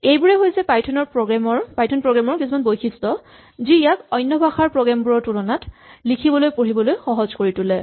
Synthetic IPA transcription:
ejbuɹɛɦojsɛpajtʰɔnɔɹpɹɔɡɹamɔɹpajtʰɔnpɹɔɡɹamɔɹkisumanbojkʰistɔ | zijakɔjnːɔbʱaxaɹpɹɔɡɹambuɹɔɹtulɔnatlikʰibɔlojpoɹibɔlojxɔɦɔzkoɹitulɛ

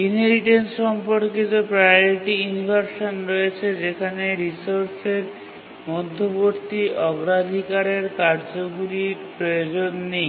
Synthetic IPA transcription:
inɦeliʈensʃɔmpoɾked͡ʑopɾajjoɾiʈiunibʱaɾʃonɾɔet͡ɕʰed͡ʑekʰaneɾisoɾseɾ | mɔd̪ʱːoboɾt̪iʔɔɡɾad̪ʱikaɾeɾkaɾd͡ʑoɡuɾiɾpɾojod͡ʑonːej

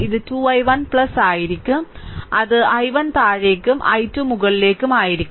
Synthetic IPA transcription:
iðɨtuːɐjʋɐnpɭɐsaːjiɾikʲːumʔɐðɨɐjʋɐnt̪aːɻeːkːumʔɐ̰jtːuːmuɣɐɭileːkːumaːjiɾikʲːm

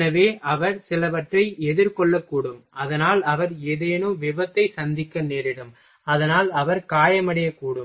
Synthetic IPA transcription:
ɐʋeːʔɐʋɐɾsɪlɐʋɐʈrɐɪɛðɪɾkɔɭːɐkːuːɽɯmɐðɐnaːlɐʋɐɾeːðɐjɐnɯʋɪbɐt̪ːɐɪsɐnd̪ɪkːɐneːɾɪɽɯm | ɐðɐnaːlɐʋɐɾkaːjɐmɐɽɪjɐkːuːɽɯm

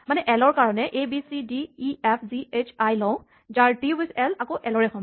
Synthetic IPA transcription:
manɛʔɛlɔɹkaɹɔnɛʔebisidiːɛpʰziet͡ʃʰajlɔ̃w̃ | zaɹtiwisɛlakoʔɛlɔɹɛkʰɔm

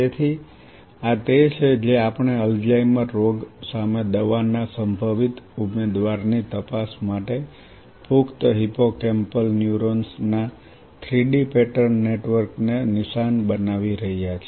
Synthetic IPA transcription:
et̪ʰi | at̪et͡ʃʰed͡ʒeapəɳ̃eəld͡ʒaimãɾoɡsamed̪əʋanːasəmbʱəʋit̪umed̪ʋaɾnit̪əpasmaʈe | pukt̪ɦipokempəlnjuɾonsna | t̪ʰɾiɖipeʈəɾnːeʈʋəɾknenɪʃanbənaʋiɾəɦijat͡ʃʰe

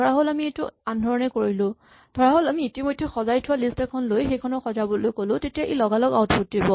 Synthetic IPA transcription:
dʱɔɹaɦolamietuandʱɔɹɔnɛkoɹilʊ̃ | d̥ʱɔɹaɦolamiːtimojdʱːɛxɔzajtʰʊwalistɛkʰɔnlojxejkʰɔnɔxɔzabɔlojkolʊ̃tetijaʔelɔɡalɔɡaʊtput̚ːibɔ

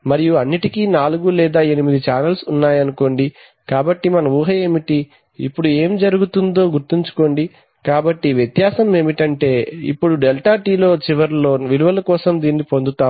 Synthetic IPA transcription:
mɐɾijuɐnːiʈikinaːluɡulɛːd̪aːe̞nimid̪it͡ʃaːnɐlsunːaːjɐnuko̞ːɳɖi | kaːbɐʈːimɐnɐmuːɦɐeːmiʈi | ḭpːuɽue̞ːmd͡ʒɐɾuɡut̪und̪o̞ːɡuɾt̪iɲt͡ʃu̥ko̞ːɳɖi | kaːbɐʈːiʋjet̪jaːsɐme̞ːmiʈɐɳʈe̞ːḭpːuɽuɖɛlʈaːʈiːlo̞ːt͡ʃiʋɐɾloːʋiluʋɐlɐkɔːsɐmd̪iːnːipo̞nd̪ut̪aː

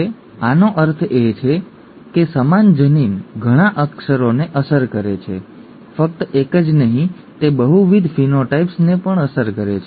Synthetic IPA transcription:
e | anoʔəɾt̪ʰet͡ʃʰe | kesəmand͡ʒəninɡʱəɽ̃aʔəkʃəɾoneʔəsəɾkəɾet͡ʃʰḛ | fək̚t̪əekəd͡ʒnəɦĩ | t̪ebəɦuʋid̪ʱfinoʈaipsnepəɳəsəɾkəɾet͡ʃʰe

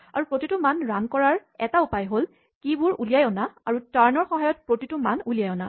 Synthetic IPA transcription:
aɹupɹotitʊmanɹankɔɹaɹɛtaupajɦol | kibʊɹulijajɔnaaɹutaɹnɔɹxɔɦajɔt̚pɹotitʊmanulijajɔna

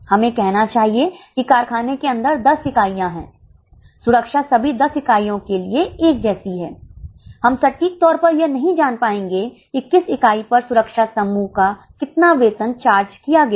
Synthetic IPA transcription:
hɐmẽkɛɦnat͡ʃaːɦiekikaːɾkʰaːnekeɐ̃nd̪əɾd̪ɐsɪkaːijãɦɛ̰̃ː | sʊɾəkʃasɐbʱid̪ɐsɪkaːijõkelieeːk̚d͡ʒɛːsiɦɛ̰ːhɐmsɐʈːiːk̚t̪ɔːɾpɐɾjɐnɐɦĩd͡ʒaːnpaːẽːŋɡe | kikːɪsɪkaːipɐɾsʊɾəkʃasɐmːuːɦka | kɪt̪naʋeːt̪ə̃nt͡ʃaːɾd͡ʒkijaɡɐa

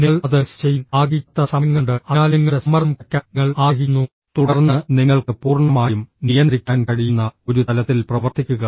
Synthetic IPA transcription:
niɭɐðɨst͡ɕejaːɣit̪ːɐsɐŋːɐɳɖɨɐaːlɐŋːɐɽesɐmɐrmpɐkʲːaŋːɐɭaːɣinːu | t̪uɽɐrnːɨniŋːɐɭkɨpuːrɳɐmaːjumnijɐnɾikʲːaːnkɐɻijunːɐo̞ɾut̪ɐlɐt̪ːilprɐʋɐrt̪ikʲːuɣɐ

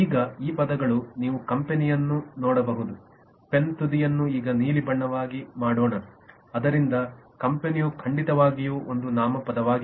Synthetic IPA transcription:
iːɡɐiːpɐd̪ɐɡɐɭuniːʋukɐmpe̞nijɐnːunɔːɽɐbɐɦud̪u | pe̞nt̪ud̪ijɐnːuiːɡɐniːlibɐɳːɐʋaːɡimaːɽɔːɳɐ | ɐd̪ɐɾind̪ɐkɐmpenijukʰɐɳɖit̪ɐʋaːɡijuːʔond̪unaːmɐpɐd̪ɐʋaːɡi

